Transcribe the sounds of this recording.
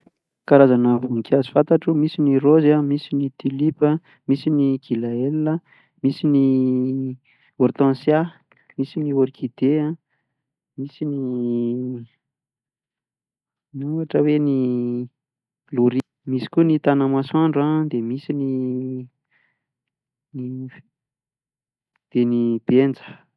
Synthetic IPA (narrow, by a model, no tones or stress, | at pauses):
kaɾazanəvunikʲazi̥fãnt̪aʈ͡ʂumisinirozamisinit̪ilipə | misiniɡ̥ilaelːə | misini | oɾt̪ãnsja | misinioɾikʰid̪eã | misini | nuaʈ͡ʂəweni | luɾi | misi̥kʲunit̪anamaswaɳɖ͡ʐad̪emisini | ni | d̪̥enib̥end͡zə̥